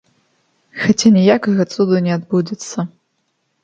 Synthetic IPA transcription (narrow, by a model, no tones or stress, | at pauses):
xat͡sʲʰanʲijakɐɣɐt͡s̪ʼud̪unʲɛad̪bud͡zʲɛt̪sʰːɐ